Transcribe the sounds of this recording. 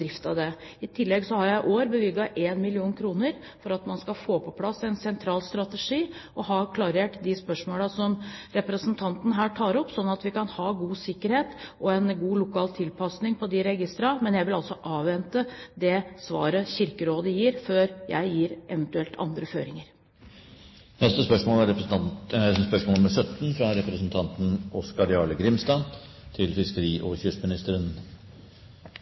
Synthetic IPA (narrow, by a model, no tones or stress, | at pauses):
ɾɪft̪ɑd̪ɛɪt̪ʰɪlːɛɡsɔhɑɾjæɪʔoːɾbəʋɪɡɑʔeːnmɪlɪuːnkʰɾuːnəɾ | fɔɾɑt̪mɑnskɑfoːpʰɔpʰlɑsːɛnsɛnt̪ʰɾɑːlst̪ɾɑt̪əʂiːʔɔhɑkʰlɑɾeːʈd̪ɪspœʂmoːlɑsɔmɾɛpɾəsnt̪ʰɑnt̪n̩ɦæːʈʰɑːɾɔpːsɔnːɑt̪ʋɪkɑnhɑːɡuːsɪkːəɾheːt̪ʔɔɛnɡuːlʊkʰɑːlt̪ʰɪlpʰɑsnɪŋpʰɔd̪ɪɾɛɡɪst̪ɾɑmɛnjæɪʋɪlɑlsɔʔɑːʋʋɛnt̪əd̪ɛsʋɑ̰ːɾəçɪɾkəɾoːd̪əjiːɾføːɾjæ̰ɪjiːɾʔɛʋənt̪ʉɛlt̪ʰɑ̰nd̪ɾəfø̰ːɾɪŋəɾ | nɛst̪əspœʂmoːlæɾɛ | spœʂmoːlməʂœt̪n̩fɾɑɾɛpɾəsnt̪ʰɑnt̪n̩ɔskɑɾɪɑːɭəɡɾɪmst̪ɑn | t̪ʰɪlfɪskəɾiːʔo̰ːçʏʂmɪnɪst̪əɾən